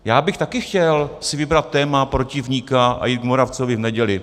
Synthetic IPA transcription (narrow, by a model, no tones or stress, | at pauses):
jaːbɪxt̪akɪxcɛlsɪvɪbɾat̪ːɛːmapɾocɪvɲikaʔa̰jiːt̪̚ɡmoɾaft͡sovɪvnɛɟɛlɪ